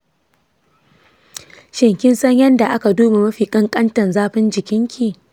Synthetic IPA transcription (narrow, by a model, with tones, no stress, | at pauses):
ʃɪ˨ŋkʲɪ˦nsɐ˦ɲjɐ˦nda˨ʔa˦ka˨duː˦ma˨mɐ˦ɸiː˨kʼɐ˦ŋkʼɐ˦ntɐ˨nzaː˦ɸɪ˦nd͡ʒɪ˨kʲɪ˦ŋkʲʰi˨